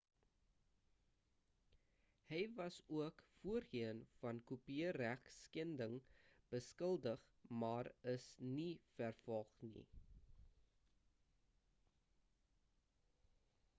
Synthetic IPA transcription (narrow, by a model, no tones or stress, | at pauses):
həjvɐsuəkfuəriənfɐnkupiəɾæχskɛndəŋb̥əskəlˠdəχ | mɑːrəsnifærfɔlχnḭ